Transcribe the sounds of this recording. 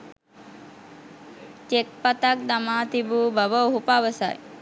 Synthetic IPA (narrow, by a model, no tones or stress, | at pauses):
t͡ʃek̚pɐt̪ak̚d̪ɐmaːt̪ibuːbɐʋəɦupaʋəsa̰j